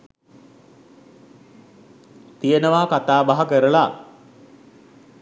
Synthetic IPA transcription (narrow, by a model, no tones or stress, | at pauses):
t̪ijənəʋaːkat̪aːbaɦɐkəɾəla